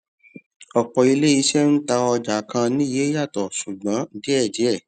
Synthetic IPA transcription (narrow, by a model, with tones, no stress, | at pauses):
ɔ˨k͡pɔ˨i˧le˦i˧˦ʃɛ˦n̩˦ta˧ɔ˧d͡ʒa˨˦kã˧nĩ˦je˨˦ja˦˨tɔ˨su˨ɡ͡bã˨˦di˦ɛ˦˨d͡ʒi˨˦ɛ˦˨